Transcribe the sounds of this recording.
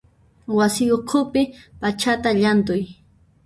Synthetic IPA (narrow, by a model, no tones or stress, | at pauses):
wasɪjoqʰʊpɪpat͡ʃat̪aʎant̪̬ʊj